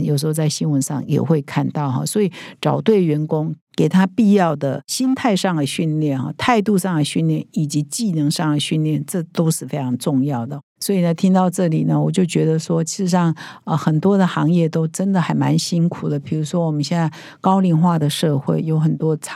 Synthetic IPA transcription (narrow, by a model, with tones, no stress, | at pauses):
jo˨˩ʊʂ̬ɻ̩˧˥xo˧ʊt͡sa˥˩ɪɕi˥nwə˧˥nʂɑ̰˥˩ŋjɛ̰˨˩xwe˥˧ɪkʰa˥˧nt̪ɑ˥˩ʊxɐ̰˥˩swɔ˧˥i˨˩ʈ͡ʂɑ˨˩ʊt̪we˥˩ɪɥɛ˧˥nkʊ˥ŋke˨˩ɪt̪ʰa˥pi˥˧jɑ˥˩ʊd̪ə˩ɕi˥nt̪ʰa˥˧ɪʂɑ˥˩ŋd̪ə˩ɕy˥˧nljɛ˥˩nxɐ̰˥˧˩t̪ʰa˥˧ɪt̪u˥˧ʂɑ˥˩ŋd̪ə˨˩ɕy˥˧nljɛ˥˩ni˨˩t͡ɕi˧˥t͡ɕi˥˩nɤ˧˥ŋʂɑ˥˩ŋd̪ə˩ɕy˥˧nljɛ˥˩nʈ͡ʂɤ˥˩t̪o˥ʊʂɻ̩˥˩fe˥ɪʈ͡ʂʰɑ˧˥ŋʈ͡ʂʊ˥˧ŋjɑ˥˩ʊd̪ə˩ | swɔ˧˥i˨˩nə˦t̪ʰi˥ŋt̪ɑ˥˧ʊʈ͡ʂɤ˥˩li˨˩nə˦wɔ˨˩t͡ɕjo˥˩ʊt͡ɕɥɛ˧˥d̪ə˧ʂwɔ˥t͡ɕʰi˧˥ʂɻ̩˧ʂɑ˥˩ŋə˧xə˨˩nt̪wɔ˥d̪ə˨xɑ˧˥ŋjɛ˥˩t̪o˥ʊʈ͡ʂə˥nd̪ə˨xa˧˥ɪma̰˧˥nɕi˥ŋkʰu˨˩d̪ə˦pʰi˨˩ɻu˧˥ʂwɔ˥wɔ˨˩mə˦nɕjɛ˥˧nt͡sa˥˩ɪ | kɑ˥ʊli˧˥nxwa˥˩d̪ə˩ʂɤ˥˧xwe˥˩ɪjo˧˥ʊxə˨˩nt̪wɔ˥t͡sʰ